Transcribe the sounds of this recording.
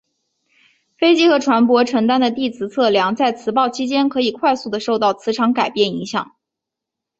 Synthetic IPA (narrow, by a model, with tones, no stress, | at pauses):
fe˥ɪt͡ɕi˥xɤ˧˥ʈ͡ʂʰwa˧˥npwɔ˧˥ʈ͡ʂʰɤ˧˥ŋt̪a˥nd̪ə˨t̪i˥˩t͡sʰɹ̩˧˥t͡sʰɤ˥˩ljɑ˧˥ŋt͡sa˥˩ɪt͡sʰɹ̩˧˥pɑ˥˩ʊt͡ɕʰi˥t͡ɕjɛ˥nkʰɤ˧˥i˨˩kʰwa˥˧ɪsu˥˩d̪ə˩ʂo˥˧ʊt̪ɑ˥˩ʊt͡sʰɹ̩˧˥ʈ͡ʂʰɑ˧˥ŋka˨˩ɪpjɛ˥˩ni˧˥ŋɕjɑ̰˨˩˦ŋ